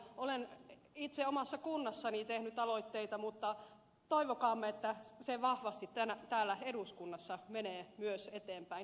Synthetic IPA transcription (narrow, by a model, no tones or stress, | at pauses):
olen | it̪seomɑsːɑkunːɑsːɑnit̪ehnyt̪ɑloit̪ːeit̪ɑmut̪ːɑ | t̪oiʋokɑːmːeet̪ːæseʋɑhʋɑst̪it̪t̪ænæt̪æːlːæeduskunːɑsːɑmeneːmyøset̪eːmpæin